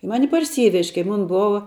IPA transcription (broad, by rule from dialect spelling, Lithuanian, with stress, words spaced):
ˈmɑːnʲɪ pɐrʲˈsʲiːʋʲɛʃʲ kɐɪ ˈmoːn ˈboːʋɐ